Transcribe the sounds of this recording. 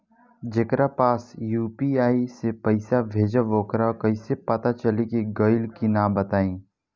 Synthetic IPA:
d͡ʒekɾapaːsjuːpiaːisepɐɪsabʱeːd͡ʒaʋoːkɾakɐisepɐt̪at͡ʃəlikeɡəɪlkinãːbət̪aːĩː

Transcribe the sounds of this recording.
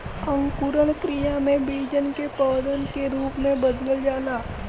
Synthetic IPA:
ə̃ŋkuɾəɭkɾijamẽbiːd͡ʒənkepəːd̪ənkeɾuːpmẽbəd̪ləld͡ʒaːlaː

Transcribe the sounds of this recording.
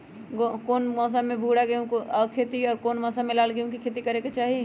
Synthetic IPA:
ɡokoːnmɔːs̬amẽbʱuɽaɡeũkkʰet̪iɔːɾkoːnmɔːsamelaːlɡeɦũkikʰet̪ikəɾeket͡ʃaːɦi

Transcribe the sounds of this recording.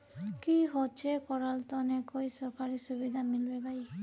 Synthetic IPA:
kiɦot͡ʃʰekɔɾalt̪ɔnekojsɔkaɾisubid̪ʱamilbebaj

